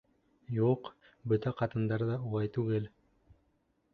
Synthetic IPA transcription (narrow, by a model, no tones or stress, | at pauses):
juq | bɵt̪æqʰɑt̪ɯnd̪ɑɾd̪ɑulˠɑjt̪uɡel